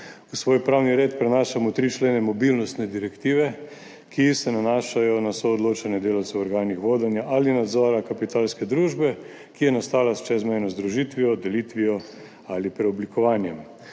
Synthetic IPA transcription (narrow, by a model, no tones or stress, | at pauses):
usʋoːjpɾawniɾeːt̪pɾɛnaːʃamɔt̪ɾit͡ʃleːnɛmɔbilnɔst̪nɛd̪iɾɛkt̪iːʋɛ | kisɛnanaːʃajɔnasɔːd̪loːt͡ʃanɛd̪eːlawt̪sɛɔɾɡaːnixʋoːd̪ɛnjaʔalinad̪zɔːɾakapit̪aːlskɛd̪ɾuːʒbɛ | kijɛnast̪aːlast͡ʃɛzmɛjnɔzd̪ɾuʒit̪ʋijɔd̪ɛlit̪ʋiɔ | alipɾɛɔblikɔʋaːnjɛm